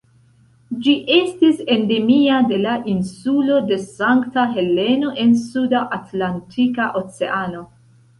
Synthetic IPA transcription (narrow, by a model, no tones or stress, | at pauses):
d͡ʒiʔe̞stise̞nde̞miade̞laʔinsulo̞de̞saŋktaɦe̞le̞no̞ʔe̞nsudaʔatlantʰikaʔot͡se̞ʔano̞